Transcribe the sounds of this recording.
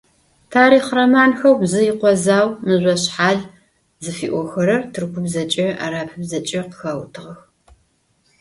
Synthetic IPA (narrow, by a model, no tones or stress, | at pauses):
tʰaːɾiːχrɐmaːnxɐwbzɨjɪqʷɔzaːwmɨʑʷɔɕħaːɮ | zɨfiːʔʷɔxɐɾɐrtʰɨrkʷʊbzɐt͡ʃʼɐa̰ɾaːpʰɨbzɐt͡ʃʼɐqxɐwtʰɨʁɐx